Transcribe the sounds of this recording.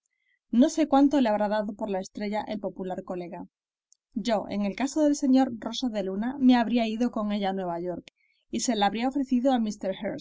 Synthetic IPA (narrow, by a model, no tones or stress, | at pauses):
no̞se̞kwant̪o̞le̞aβɾaðaðopo̞ɾlae̞st̪ɾe̞ʝaʔe̞lpo̞pulaɾko̞le̞ɣa | ʝo̞e̞̰ŋe̞lkasoðe̞lse̞ɲo̞ɾro̞saðe̞luname̞aβɾiaiðo̞ko̞ŋe̞ʎanwe̞β̞aʝo̞ɾk | ise̞laaːβɾiao̞fɾe̞θiðoamist̪e̞ɾxeɾ